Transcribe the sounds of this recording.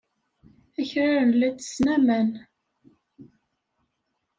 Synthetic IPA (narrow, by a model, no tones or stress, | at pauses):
æçɾaɾənlæt͡sːə̥snæmæn